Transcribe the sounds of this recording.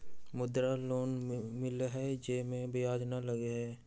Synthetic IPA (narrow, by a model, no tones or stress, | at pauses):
mʊd̪ɾaloːnmɪlɦɛd͡ʒeːmẽbɪjaːd͡ʒnaləɡeɦɛː